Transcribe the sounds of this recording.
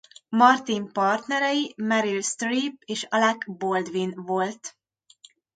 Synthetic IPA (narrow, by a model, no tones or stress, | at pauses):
mɒrt̪impɒrt̪nɛɾɛjimɛɾilst̪riːp̚eːʃɒlɛkbold̪ʋinvo̞lt̪